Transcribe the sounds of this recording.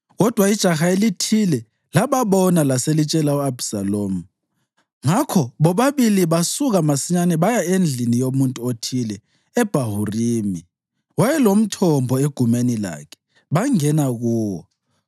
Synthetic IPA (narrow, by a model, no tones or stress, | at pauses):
ɣɔd̥ʱwaid̥ʒ̥ʱaxaelitʰilɛ | laβaβɔnalaselit͡ʃʼɛlauabsaloːmu | ŋakʰɔβɔβaβiliβasuɣamasiɲanɛβajaend͡ɮʱinijomuntʼuotʰilɛ | ɛb̥ʱaɦuriːmi | wajɛlom̩tʰɔmbʱɔeɡ̥ʱumenila̰ːkʰɛ̥ | βaŋɛnaɣuːwɔ̰